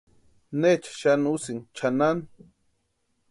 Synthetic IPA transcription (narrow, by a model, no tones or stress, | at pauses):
net͡ʃḁʃanusiŋt͡ʃʰanan